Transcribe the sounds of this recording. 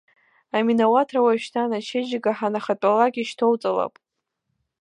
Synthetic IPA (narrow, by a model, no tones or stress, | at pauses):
aminawatʰrawaʃtʰanat͡ʃʰed͡ʒɪɡaħanaχat͡pʼalaɡʲiʃtʰowt͡sʼala̰pʼ